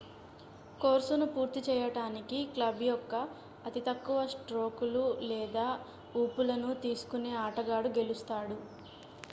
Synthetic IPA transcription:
koːɾsunupuːɾt̪it͡ʃɛːjɐʈaːnikiklɐbjɔkːɐː | t̪it̪ɐkːuʋɐsʈɾo̞ːkululɛːd̪aː | uːpulɐnut̪iːsu̥kune̞ːaːʈɐɡaːɽuɡe̞lust̪aːɽu

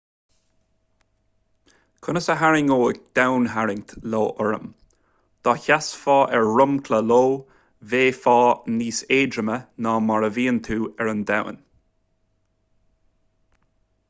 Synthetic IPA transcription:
kʰʊnəsəɦaɹɪŋoːəd̪̥awnɦaɹɪŋt̪loːʔəɹə̰m | d̪̥ɔçasfɑːʔɛɹɹʊmkʰləloː | veːfɑːniːseːdɾəmənaːmaɹəviːənt̪ʰuːɛɹənd̪aw̰n

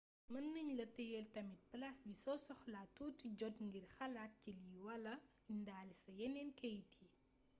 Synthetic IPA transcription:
mɐnːɐɲlɐtɐjɛltɐmit̚plɐsbisɔsɔxlatːuːtiɟɔtŋɡirxɐlat̚ciliwɐlɐ | indaːlisɐjɛnɛnkɛjti

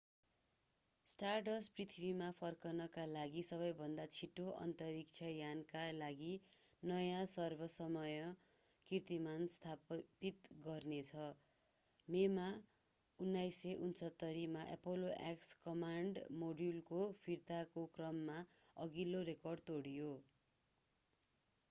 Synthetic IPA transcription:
sʈarʈʌsprit̪ʰibʱimapʰʌrkʌnʌkalaɡisʌβʌjbʱʌnd̪at͡sʰiʈoʔʌ̰nt̪ʌɾik̚t͡sʰʌjankalaɡinʌjasʌrbʱʌsʌmʌjʌ | kirt̪imanst̪ʰapit̪ɡʌrnet͡sʰʌ | mema | unːajseʔunsʌt̪ːʌɾimaʔḛpoloʔḛkskʌmaɳɖmoɖjulkopʰirt̪akokrʌmːaʌɡiloɾekʌrɖ̚t̪oɽijo

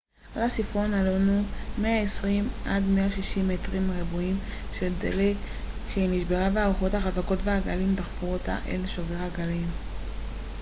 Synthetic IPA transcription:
ʔalasifʁonalonumeaesʁimʔadmeaʃiʃimetʁimʁibuimʃeldḛle | ʃeiniʃbeʁabeauχo̞thaχazako̞tveaɡalimtaχfuʁota̰ʔḛlʃoveʁaɡalim

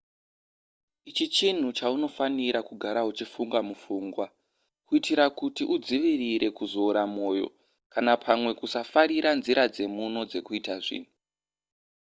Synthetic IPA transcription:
it͡ʃit͡ʃin̤ut͡ʃauno̞faniɾakuɡʱaɾaut͡ʃifuŋɡamufuːŋɡwa | kuitiɾakutiʔud͡ziʋiriɾe̞kuzo̞ːɾamo̞ːjo̞̰ | kanapʰamwe̞kusafaɾiɾanziɾad͡ze̞muno̞d͡ze̞kuitaʐḭːn̤u

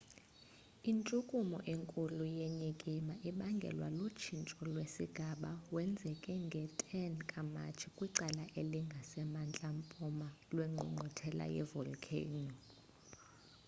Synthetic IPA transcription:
int͡ʃʼukʼumɔ̰ʔeŋkʼulujeɲikʼimaʔiɓaŋɡʱɛ̰lwa̰lut͡ʃʰint͡ʃʼɔlwesiɡ̥ʱaɓawɛnd͡zʱɛkʼɛŋɡʱɛtʼɛnkʼama̰t͡ʃʰikʼwiǀalaʔeliŋɡʱasɛmant͡ɬʼampʼɔmalwɛŋ͡ǃʱṵŋ͡ǃʱɔtʰɛla̰jɛ̰vɔlkʰḛnɔ

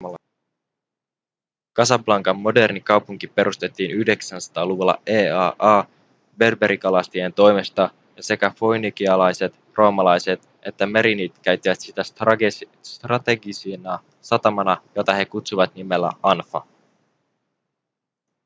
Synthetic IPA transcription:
kɑsɑplɑŋkɑmːo̞de̞rnikɑwpuŋkipe̞ɾust̪e̞t̪ːiːnyhde̞ksænsɑ̥t̪ɑːluʋulːɑ̰eːɑːʔɑː | be̞rbe̞ɾikɑlɑst̪ie̞nt̪o̞jmest̪ɑ | jɑse̞kæfojnik̟iɑlɑjse̞t̪ | rʔo̞ːmɑlɑjse̞t̪ | ʔe̞t̪ːæme̞ɾinit̪kæɥt̪ːiʋæt̪sit̪æs | st̪rɑt̪e̞ɡisinɑ | sɑt̪ɑmɑnɑjo̞t̪ɑɦe̞kut̪suʋɑt̪nime̞lːæ̰ɑnfɑ̰

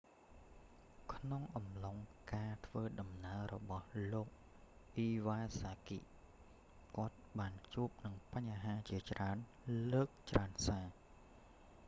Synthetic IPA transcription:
kʰnoŋʔɑmloŋkaːt̪ʰʋəːɗɑmnaərɔ̰ɓɑhloːk̚ | ʔiːʋaːsaːkḭʔ | kŏət̪̚ɓaːnt͡ɕuəp̚nɨŋpaɲɦaːt͡ɕiət͡ɕraən | ləːk̚t͡ɕraənsaː

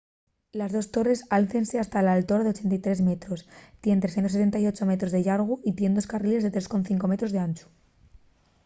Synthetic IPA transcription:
lazðo̞st̪o̞re̞salθe̞nse̞ast̪alaːlt̪o̞ɾaðe̞o̞t͡ʃe̞nt̪ajt̪ɾe̞zme̞t̪ɾo̞st̪je̞nt̪ɾes̬ent̪os̬et̪e̞nt̪ajo̞t͡ʃo̞me̞t̪ɾozðeʝaɾɣ̞uʔit̪je̞nd̪o̞skarile̞zðet̪ɾe̞sko̞nθiŋko̞me̞t̪ɾoðe̞ant͡ʃu̥

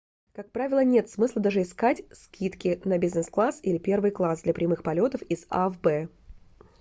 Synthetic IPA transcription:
kak̚pɾavʲɪlˠənʲe̞t̪smɨslˠəd̪aʐɨɪskatʲskʲʰit̪kʲɪnəbʲɪznɛsklˠasilʲɪpʲe̞rvɨjklˠasd̪lʲɐpɾʲɪmɨxpɐlʲo̞t̪əfɪz̥a̰vbɛ

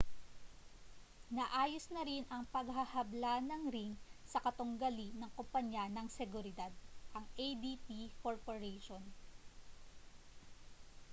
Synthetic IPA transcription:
nɐʔaːjosnɐɾinʔɐŋpɐɡ̚ɦɐhɐblaːnɐŋɾiŋsɐkɐt̪oŋɡɐlinɐŋkompɐɲjanɐŋsɛɡʊɾɪd̪ad̪̚ʔɐŋʔejd̪it̪ikoɹpoɹɛjʃon

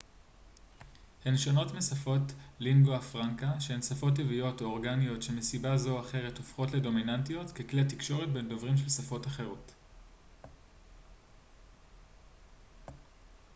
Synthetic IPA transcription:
henʃono̞tmesafo̞tliŋɡoafʁaŋkaʃehensafo̞t̬ːivijo̞tooʁɡanijo̞tʃe̞mesibazo̞aχe̞ʁe̞tofχo̞tle̞do̞minantijo̞tkekliatikʃo̞ʁet̚be̞ndo̞vʁimʃelsafo̞taχe̞ʁo̞t

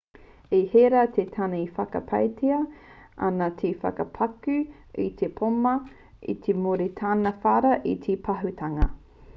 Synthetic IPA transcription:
eheɾat̪ʰet̪ʰanɐifɐkɐ̰pʰɐ̰jtʰiɐɐ̰nɐtʰefɐ̰kɐpʰɐkʉ | it̪ʰepʰomɐ | ḭt̪ʰemoɾit̪ʰaːnɐfaɾɐʔit̪ʰipʰɐɦutʰɐŋɐ̰

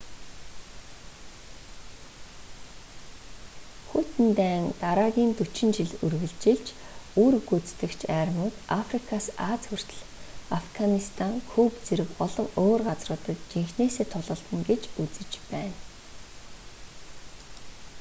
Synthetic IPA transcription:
xut̪ɘ̆nt̪æːŋt̪aɾaːɣʲiːnt̪ut͡ɕɪ̆nt͡ɕiɮurɣɘ̆ɮt͡ɕɪ̆ɮt͡ɕʰ | uːɾuɣut͡st̪ɘ̆kt͡ɕʰæːrmʊːt̪afrikʰasaːt͡sxur̥t̪̆ɮ | afɡanist̪ʰaŋkʰuːpt͡seɾɘ̆kɔɮɞ̆ŋoːrɢat͡srʊːt̪ə̆t̪̚t͡ɕiŋxneːseːt̪ʰʊɮʁə̆ɮt̪ə̆ŋɡet͡ɕut͡sɘ̆t͡ɕpæːn

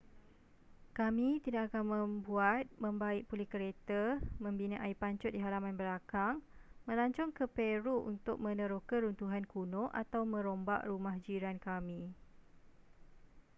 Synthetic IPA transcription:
kamĩt̪idaʔakanmə̃mbuat̪̚mə̃mbaɪk̚pulɪhkəɾet̪amə̃mbinə̃ʔaipaɲt͡ʃʊt̪̚diɦaɾamãnbəlakaŋmə̃laɲt͡ʃɔŋkəpeɾuʔṵnt̪ʊk̚mə̃nə̃ɾokəɾunt̪uɦankunɔ̃ʔa̰t̪awmə̃ɾomba̰ʔɾumahd͡ʒiɾankamĩ

